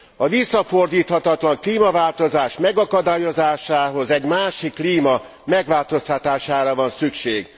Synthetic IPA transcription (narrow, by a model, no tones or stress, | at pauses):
ɒvisːɒfo̞rd̪iːt̪hɒt̪ɒt̪lɒŋkliːmɒvaːlt̪o̞zaːʃmɛɡɒkɒd̪aːjo̞zaːʃaːɦo̞zɛɟmaːʃikːliːmɒ | mɛɡʋaːlt̪o̞st̪ɒt̪aːʃaːɾɒvɒnsykʃeːɡ̥